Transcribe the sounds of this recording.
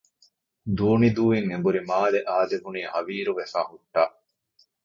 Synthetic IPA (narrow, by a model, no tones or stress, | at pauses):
d̪uːnid̪uːiŋebuɾimaːleʔaːd̪eɦuniːhɐʋiːɾuʋefaːhuʈːaː